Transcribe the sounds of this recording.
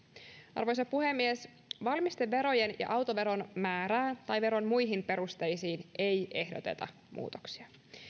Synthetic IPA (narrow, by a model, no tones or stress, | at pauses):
ʔɑ̰rʋo̞js̬ɑpuhe̞mːies | ʋɑlmist̪eʋːe̞ɾo̞jenjɑ̰ʔɑwt̪o̞ʋe̞ɾo̞nmæːɾæːnt̪ɑjʋe̞ɾo̞nmujɦimpe̞ɾust̪e̞jsiːnʔe̞jʔe̞hdo̞t̪e̞̰t̪ɑ̰ | mṵːt̪o̥ksi̥ɑ